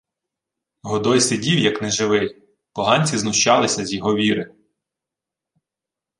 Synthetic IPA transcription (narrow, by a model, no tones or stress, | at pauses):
ɦɔd̪ɔjsɪdʲiwjɐknɛʒɪʋɪj | pɔɦɑnʲt͡sʲiznʊʃt͡ʃɑlˠɪsʲɐzʲjɔɦɔʋʲiɾɪ